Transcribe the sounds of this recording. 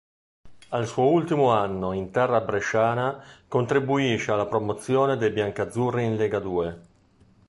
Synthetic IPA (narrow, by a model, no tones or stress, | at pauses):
alsuoult̪imoanːoint̪ɛrːabɾeʃaːnakont̪ɾibuiʃealːapɾomot̪sːjɔːned̪ejbjaŋkad̪zːuriinleɡad̪uːe